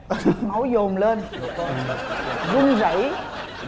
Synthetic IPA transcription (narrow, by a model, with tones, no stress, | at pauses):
ma˨˦wzo˨˩mleː˧n˨˩ | zï˧ŋzə̰˧˩˨j